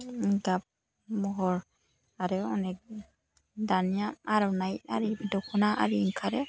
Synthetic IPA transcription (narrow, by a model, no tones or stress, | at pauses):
ɡab̚ | mɔɦɔɾ | aɾɛɔnɛk̚ | danijaaɾɔnajtaɾibdɔkʰɔnaa̰ɾiŋkʰaɾɛ